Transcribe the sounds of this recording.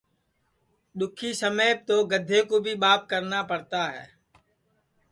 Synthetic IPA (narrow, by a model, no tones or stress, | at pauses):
ɗ̪ʊkʰiːsəmeːp̚t̪oːɡəd̪ʱeːkoːbʱiːɓaːp̚kəɾnaːpəɾt̪aːɦɛ̰ː